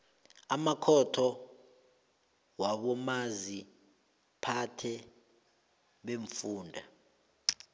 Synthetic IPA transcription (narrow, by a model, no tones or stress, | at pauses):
amakʰɔtʰɔ | waɓɔmazi | pʰatʰɛ | ɓeɱfuːndʱa